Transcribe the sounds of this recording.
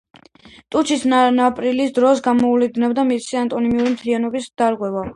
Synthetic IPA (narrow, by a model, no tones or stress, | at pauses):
t̪ʼut͡ʃʰisnnapʼɾilisd̪ɾɔsɡamɔulid̪nɛbd̪amit̪sʰiant̪ʼɔnimiuɾimt̪ʰlianɔbisd̪̥aɾʁwɛva